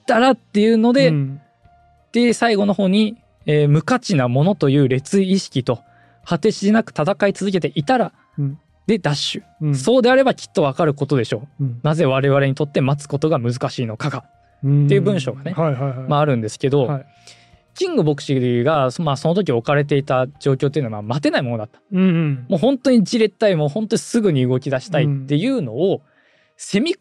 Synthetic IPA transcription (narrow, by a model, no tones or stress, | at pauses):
it̪aɾat̪ːe̞jɯ̟no̞d̪e̞ | d̪̥esaiɡo̞no̞ho̞ːɲ̟i | eːmɯ̟kat͡ɕinamo̞no̞t̪o̞jɯ̟ːɾe̞t͡sɨiːɕi̥kʲit̪o̞ | hat̪e̞ɕid̪enakɯ̟̥t̪at̪akait͡sɨzɨke̞t̪e̞ʔit̪aɾa | d̪e̞d̪aɕɨ̥ | so̞ːd̪e̞aɾe̞bakʲʰi̥t̪ːo̞β̞akaɾɯ̟ko̞t̪o̞d̪e̞ɕo̞ːnaze̞β̞aɾe̞βaɾe̞ɲ̟it̪ot̪ːe̞mat͡sɨ̥ko̞t̪o̞ɡamɯ̟zɨkaɕiːno̞kaɡa | t̪ːe̞jɯbɯ̟̃ɰ̃ɕo̞ːɡanemaːɾɯ̟̃nd̪e̞sɨ̥ke̞d̪o̞ | kʲĩŋɡɯ̟bo̞kɯ̟̥ɕiɡamaso̞no̞t̪̬o̞k̬ʲio̞kaɾe̞t̪̬e̞it̪ad͡ʑo̞ːkʲo̞ːt̪ːeɨnamamat̪e̞naimo̞nod̪at̪ːḁmo̞ːɦõ̞nt̪o̞ɲ̟id͡ʑiɾe̞t̪ːaimoːhõnt̪o̞ɲisɨɡɯ̟ɲ̟iɯ̟ɡo̞kʲid̪aɕi̥t̪aitt̪ːe̞jɯ̟ːno̞ː | se̞mʲi